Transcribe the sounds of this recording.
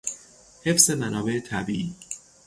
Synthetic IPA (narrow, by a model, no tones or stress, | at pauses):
he̞fse̞mænɒːbe̞ʔet̪ʰæbiːʔiː